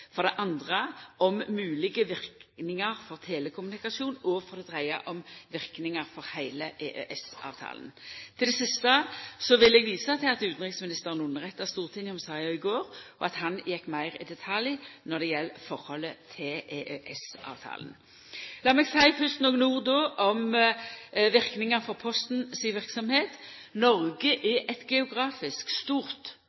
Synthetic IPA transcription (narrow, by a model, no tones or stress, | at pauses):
fɔʁd̪ɛʔɑnd̪ʁəɔmːʉːlɪɡəʋɪʁknɪŋəʁfɔʁt̪ʰeːləkʰʊmʉnɪkɑsuːnɔfɔʁd̪ɛd̪ʁæɪɑ̰ʔɔmʋɪʁknɪŋəʁfɔʁhæɪləʔeːʔøʔɛsɑ̰ːʋt̪ʰɑ̰ːlənt̪ʰɪld̪ɛsɪst̪əsɔʋɪlɛɡʋiːsɑt̪ʰɪlɑt̪ʉːt̪n̩ʁɪksmɪnɪst̪əʁənʊnəʁɛt̪ːɑst̪uːʁt̪ʰɪnɔmsɑɑɪɡoːʁɔʔɑt̪hɑnjɛkːmæɪʁɪ̰d̪ɛt̪ʰɑljnɔʁd̪ɛjɛlːfɔʁhɔlːət̪ʰɪleːʔøʔɛsʔɑ̰ːʋt̪ʰɑ̰ːlən̩ | lɑːʁmɛːɡsæɪfʉst̪nɔːɡənuːʁd̪ɔːʔɔm | ʋɪʁknɪŋɑfɔʁpʰɔst̪n̩siʋɪʁksɔmheːt̪ | nɔʁɡəʔɛʔɛt̪ɡɛʊɡʁɑːfɪskst̪uːʁt̪